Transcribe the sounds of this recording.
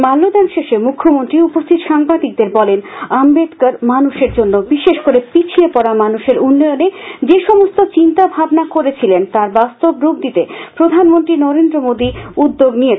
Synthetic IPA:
malːod̪anʃeʃemukʰːomont̪ɾiupost̪ʰit̪oʃaŋbad̪ik̚d̪eɾbɔlenambed̪kaɾmanuʃeɾd͡ʑonːobiʃeʃkoɾepit͡ɕʰiepɔɾamanuʃeɾunːɔjoned͡ʑeʃɔmost̪ot͡ɕint̪abʱabnakoɾet͡ɕʰilent̪aɾbast̪obɾoɡd̪it̪epɾod̪ʱanmont̪ɾinɔɾend̪ɾomod̪iud̪ːoɡnije

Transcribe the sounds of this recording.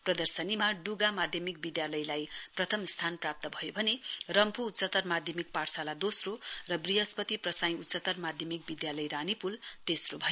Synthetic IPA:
prʌd̪ʌrsʌnimaɖuɡamad̪ʱjʌmik̚bid̪jalʌjlajprʌt̪ʰʌmst̪ʰanprap̚t̪ʌbʱʌjobʱʌnerʌmpuːt̪sʌt̪ʌrmad̪ʱjʌmik̚parsalad̪osrorʌbriɦʌspʌt̪iprʌsaj̃ĩut̪ːsʌt̪ʌrmad̪ʱjʌmik̚bid̪jalʌjranipult̪esrobʱʌ

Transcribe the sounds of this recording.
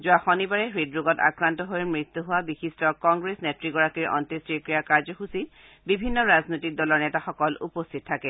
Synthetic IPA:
zʊaxonibaɹɛɦɹidɹuɡɔta̰kɹantɔɦojmɹit̪ːuɦʊwabixistɔkɔŋɡɹesnetɹiɡɔɹakiɹʔɔ̰ntestiɹkɹijakaɹzɔxusi | bibʱinːɔɹaznojtik̚dɔlɔɹnɛtaxɔkɔlṵpostʰit̚ʰːakɛ

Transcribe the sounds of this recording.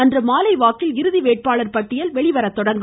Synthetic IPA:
ɐndrɯmaːlɐɪʋaːkːɪlɪɾɯðiʋeːʈ̚paːɭɐɾpɐʈːɪjɐlʋɛɭɪʋɐɾɐt̪ːɔɽɐŋɡ

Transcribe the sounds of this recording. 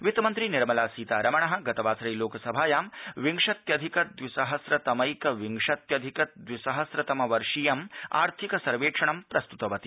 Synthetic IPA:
ʋit̪ɐmɐnt̪ɾiniɾmɐlaːsiːt̪aːɾɐmɐɳɐɦɐ̆ɡɐt̪ɐʋaːsɾɐjloːkɐsɐbʱaːjaːmʋiŋʂɐt̪jɐd̪ʱikɐd̪ʋisɐɦɐsɾɐt̪ɐmɐjkɐʋiŋʂɐt̪jɐd̪ʱikɐt̪̚d̪ʋisɐɦɐsɾɐt̪ɐmɐʋɐɾʂijɐma̰ːɾt̪ʰikɐsɐɾʋeːkʂɐɳɐmpɾɐst̪ut̪ɐʋɐt̪i

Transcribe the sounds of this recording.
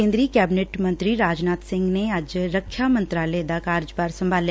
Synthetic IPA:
ẽːnd̪ɾikɛːbneːʈmɐ̃nt̪ɾiɾaːd͡ʒnaːt̪sɪ̃ŋɡnead͡ʒɾəkʰʃʰjamɐ̃nt̪ɾaled̪akaːɾd͡ʒbaːɾsɐ̃mbʱaːl

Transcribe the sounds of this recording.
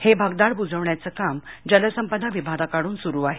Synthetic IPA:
hebʱaɡd̪aɽbud͡zəʋɳjat͡səkamd͡ʑələsəmpəd̪ʱaʋibʱad̪akaɽuːnsuɾuːaɦe

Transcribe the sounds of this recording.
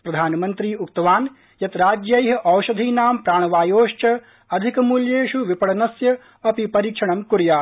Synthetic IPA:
pɾɐd̪ʱaːnɐmɐnt̪ɾiːuk̚t̪ɐʋaːn | jɐt̪ɾaːd͡ʒjɐjɦɐʔɐwʃɐd̪ʱiːnaːmpɾaːɳ̃ɐʋaːjoːʃt͡ʃɐ | ɐd̪ʱikɐmuljeːʃuʋipɐɽɐnɐsjɐ | ɐpipɐɾiːkʂɐɳɐmkuɾjaː

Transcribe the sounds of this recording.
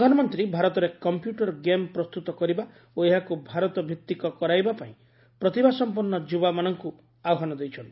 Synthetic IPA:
pd̪ʱanɔmɔnt̪ɾibʱaɾɔt̪ɔɾekɔmpjuʈɔɾɡempɾɔst̪ut̪ɔkɔɾiba | oeɦakubʱaɾɔt̪ɔbʱjit̪ːikɔkɔɾajbapaĩ | pɾɔt̪ibʱasɔmpuɾnɔd͡ʒubamanɔŋku | aɔɦanɔd̪ejt͡ʃʰɔnt̪ii

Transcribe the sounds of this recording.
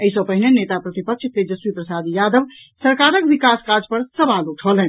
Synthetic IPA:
əisə̃pəɦinenet̪apɾət̪ipəkt͡ʃ̪ʰked͡ʒəswipɾəsad̪jad̪əʋ | səɾkaɾəkbikaskaɾd͡ʒpəɾsəbaluʈʰəlɛn

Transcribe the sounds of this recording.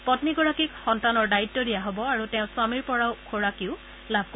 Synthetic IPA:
pɔtniɡɔɹakikxɔntanɔɹdaitːɔdijaɦɔbɔaɹutɛʊ̃swamiɹpɔɹaʊkʰoɹakiʊ | labʱko

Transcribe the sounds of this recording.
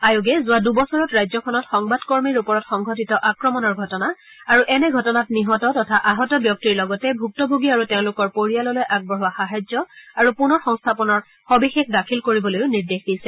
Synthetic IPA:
ajuɡɛzʊadubɔsɔɹɔtɹajzɔkʰɔnɔtxɔŋbadkɔɹmiɹupɔɹɔtxɔŋɡʱɔtitɔʔakɹɔmɔnɔɹɡʱɔtɔna | aɹuʔɛnɛɡʱɔtɔnatniɦɔtɔtɔtʰaʔaɦɔtɔbjɔk̚tiɹlɔɡɔtɛbʱuk̚tɔbʱoɡiaɹuteʊ̃lʊkɔɹpoɹijalɔlojʔaɡ̚bɔɹɦɔaxaɦajzɔaɹupunɔɹxɔŋstʰapɔnɔɹ | xobixexʰdakʰilkoɹibɔlojʊniɹdexdisɛ

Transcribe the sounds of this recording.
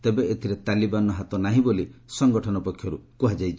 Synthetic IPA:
t̪ebeʔet̪ʰiɾet̪alibanɔɦat̪ɔnaɦĩbolisɔŋɡɔʈʰɔnɔpɔkʰjɔɾukuɦad͡ʒajt͡ʃʰi

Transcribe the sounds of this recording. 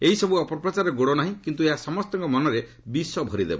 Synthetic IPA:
eɦisɔbuɔpɔpɾɔt͡ʃaɾɔɡoɽɔnaɦĩkint̪ueɦasɔmɔst̪ɔŋkɔmɔnɔɾe | bisɔbʱɔɾid̪ebɔ

